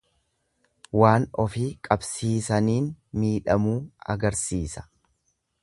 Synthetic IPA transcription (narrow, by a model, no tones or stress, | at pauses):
waːnɔfiːkʼɐbsiːsɐniːnmiːᶑɐmuːɐ̰ɡɐɾsiːsɐ̥